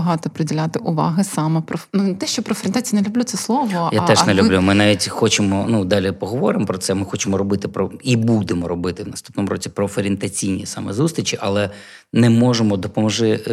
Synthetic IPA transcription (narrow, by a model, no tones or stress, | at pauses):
ɐɦɑt̪ɔpɾɪdʲɪlʲat̪ɪʔʊʋɑɦɪsɑmɛpɾɔnut̪ɛʃt͡ʃɔpɾɔfɾʲɪnt̪at͡sʲijinelʲʊblʲut̪sɛslˠɔʋɔjat̪ɛʒnɛlʲublʲumɪnɑʋʲitʲxɔt͡ʃɪmɔnud̪ɑlʲipɔɦɔʋɔɾɪmpɾɔt̪sɛmɪxɔt͡ʃɪmɔɾɔbɪt̪ɪpɾɔibud̪emɔɾɔbɪt̪ɪʋnɐst̪u̥pnɔmuɾʔɔt͡sʲipɾɔfeɾʲɪnt̪ɐt͡sʲijnʲḭsɑmɛzust̪ʲɾʲit͡ʃiʔɐlˠɛ | nɛmɔʐemɔd̪ɔpɔmɔʒɪ